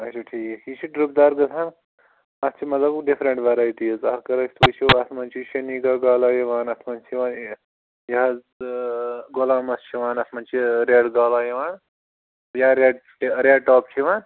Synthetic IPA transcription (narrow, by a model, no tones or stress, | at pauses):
ɐt͡ʃʰoʈʰiːkhit͡ʃʰiɖɾup̚d̪aːɾɡɐt̪ʰaːn | ɐst͡ʃʰimɐt̪lɐbɖifʰɾɐɳʈʋɐɾaːjʈizɐskɐɾɐkst̪ːt͡ʃʰiɐsmɐnt͡ʃʰiʃɐniɡaːɡaːlaːjiʋaːnɐsʰmɐnt͡ʃʰiʋaːn | jɐɦaz | ɡolaːmɐst͡ʃʰiʋaːnɐsmɐnt͡ʃʰiɾeɖɡaːlaːjiʋaːn | jaɾeɖ | ɾeɖʈaːp̚t͡ʃʰiʋaːn